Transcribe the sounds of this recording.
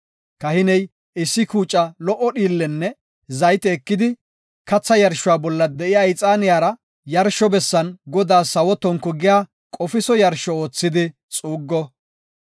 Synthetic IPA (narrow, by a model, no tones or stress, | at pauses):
kɐhɪnɛj | ɪsːɪkuːt͡ʃʼːɐlɔʔɔɗiːlːɛnːɛ | zɐjt̪ɛːkːɪd̪ɪ | kɐt͡sːɐjɐɾʃːʊwaːbɔlːɐd̪ɛʔɪjaɪt͡sʼaːnɪjaːɾɐ | jɐɾʃɔbɛsːɐnɡɔd̪aːsɐwɔt̪ːɔŋkːɔɡɪjaː | kʼɔfɪsɔjɐɾʃɔoːt͡sːɪd̪ɪ | t͡sʼuːɡːɔ